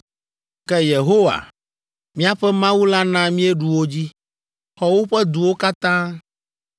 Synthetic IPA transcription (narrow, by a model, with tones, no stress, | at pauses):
kɛ˦je˨ɦo˦wa̰˨ | mĩ˦a˦ɸɛ˦mã˦wu˦la˦nã˦mĩ˦ɛ˦ɖu˨wo˦d͡ʑi˦ | xɔ˦wo˦ɸɛ˦d̪u˨wo˦ka˦t̪ã˦